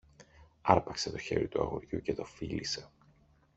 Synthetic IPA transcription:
ɐɾpɐkset̪o̞çe̞ɾit̪uɐ̰ɣoɾʝucet̪o̞filise̞

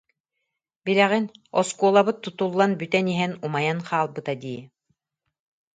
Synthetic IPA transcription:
biɾɛʁinɔskuɔlˠabɯt̪ːut̪ulˠːanbyt̪ɛniɦɛnumajanqʰaːlˠbɯt̪ad̪iː

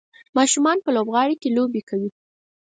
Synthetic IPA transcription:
mɑʃumɑnpəlobɣɑɽikelobekawi

